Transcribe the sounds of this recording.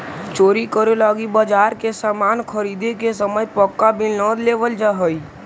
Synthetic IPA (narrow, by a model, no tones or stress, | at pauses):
t͡ʃoːɾikəɾelaːɡibaːd͡ʒaːɾkesaːmaːnkʰəɾiːd̪ekesəməjpəkːabɪnnɔ̃ːd̪leːʋəld͡ʒaɦəi